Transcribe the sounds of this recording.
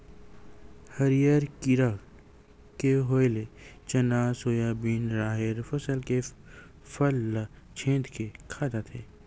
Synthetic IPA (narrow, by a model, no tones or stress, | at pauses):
həɾijəɾkiɾa | keɦoːjlet͡ʃɐnaːsoːjaːbiːnɾaːɦɪɾfəsəlke | fəlː | t͡ʃʰẽːd̪kekʰaːd̪at̪ʰeː